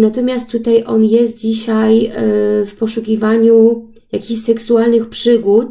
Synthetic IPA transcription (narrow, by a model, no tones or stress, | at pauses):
nat̪ɔmʲjast̪ːut̪ajʔɔnjɛs̬t̪̚d͡ʑiɕaj | fpɔʂukʲivaɲu | jakʲiɕsɛksualnɘxpʂɘɡut̪̚